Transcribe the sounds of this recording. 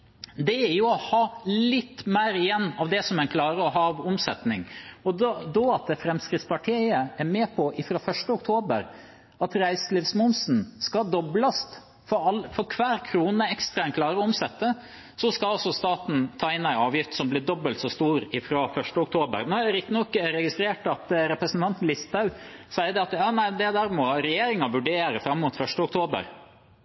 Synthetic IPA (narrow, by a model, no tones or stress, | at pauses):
d̪ɛæɾjʊɔhɑːllɪt̪ːmæɪɾɪjɛnːɑʋd̪ɛsɔmɛɪnkʰlɑːɾəɔɦɑːɑʋʊmsɛt̪nɪŋɔd̪d̪ɔɑt̪̚d̪ɛfɾɛmskɾɪt̪spʰɑʈʰiɪəæɾmeːpʰɔʔɪfɾoːfœʂʈəʊk̚t̪ʰoːbəɾ | ɑt̪ɾæɪslɪʋsmʊnsn̩skɑd̪ɔblɑst̪ | fɔɾɑlfɔɾkʰʋæːɾkʰɾuːnəɛkst̪ɾɑɛnkʰlɑːɾəʊmsɛt̪ːə | sɔskɑlɑlsɔst̪ɑːt̪n̩t̪ʰɑːɪnːæɪɑːʋjɪft̪sɔmblɪd̪ɔbəlt̪sɔst̪uːɾɪfɾoːfœʂʈəʊkt̪ʰoːbə̰ɾnɔɛɾɪt̪nɔkːɾɛɡɪst̪ɾeːʈɑt̪ɾɛpɾəsn̩t̪ʰɑnt̪nlɪst̪ɑʉ | sæɪəd̪ɛɑt̪jɑːnæɪd̪ɛd̪æːɾmɔɾɛjeːɾɪŋɑʋʉɖeːɾəfɾɑmːʊt̪fœʂʈəʊk̚t̪ʰoːbə̰ɾ